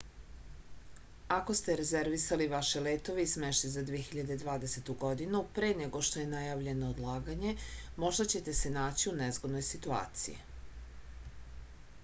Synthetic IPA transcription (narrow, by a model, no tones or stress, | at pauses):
ako̞st̪eɾeze̞ɾʋisaliʋaʃeleːt̪o̞ʋeismeʃt̪izad̪ʋijexiʎad̪ed̪ʋaːd̪e̞se̞t̪uɡo̞d̪inupɾeːneɡo̞ʃt̪oje̞najaʋʎe̞nood̪lˠaːɡaɲe̞mo̞ʒd̪at͡ɕe̞t̪e̞se̞naːt͡ɕiunezɡod̪no̞jsit̪ua̰ːt̪sḭjḭ